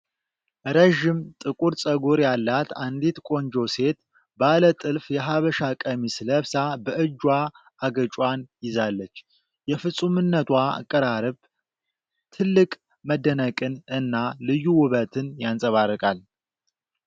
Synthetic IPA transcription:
ɾəʒɪmt̪ʼɨkʼuɾsʼəɡoɾjalːat̪and̪it̪kʼo̞nd͡ʒo̞se̞t̪ | balət̪ʼɨlfjɛɦaβəʃakʼəmisɨləβsabəʔɨd͡ʒːwa | aɡət͡ʃʼwʷanjɪzalːət͡ʃː | jɛfɨsʼumɨnːət̪ʰwaa̰kʼːəɾaɾɨβ | t̪ʰɨlːɨkʼ | məd̪ənəkʼɨnɨnːalɨjːuwʊβət̪ʰɨnjansʼəβaɾːəkʼal

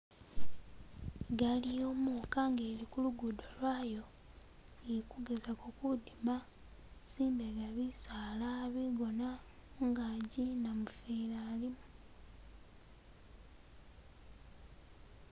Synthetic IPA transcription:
ɡalijo̞ːmukaŋɡeːɾikuluɡudo̞lwaːjo̞ | ekuɡezako̞kudima | siːmbeɡaβisaːlaβiɡo̞naŋɡaɟinamufiɾaːlimu

